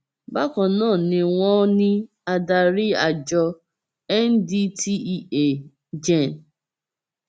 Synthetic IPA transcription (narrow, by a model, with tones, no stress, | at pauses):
ba˦kɔ˨nãː˦˨nɪ̃˧ŋʷɔ̃˦nɪ̃˦ | a˨da˨ɾɪ˦a˨d͡ʒɔ˧ | ɛ˦n̩˦di˦tʰi˦i˦e˨ | d͡ʒɛ˦˨n̩˨